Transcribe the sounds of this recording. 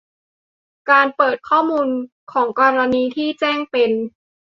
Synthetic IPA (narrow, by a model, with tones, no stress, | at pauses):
kaː˧npɤː˨˩t̪̚kʰɔː˥˩muː˧n | kʰɔː˩˦ŋkɔː˧ɾa˧niː˧t̪ʰiː˥˩t͡ɕɛː˥˩ŋpe˧n